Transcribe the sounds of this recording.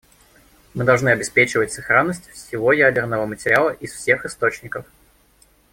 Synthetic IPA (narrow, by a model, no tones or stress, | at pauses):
mɨd̪ɐlˠʐnɨɐbʲɪspʲet͡ɕɪvətʲsɨxɾanːəsʲtʲfsʲɪvo̞jædʲɪrnəvəmətʲɪɾʲɪalˠəʔisfsʲe̞xɨst̪o̞t͡ɕnʲɪkəf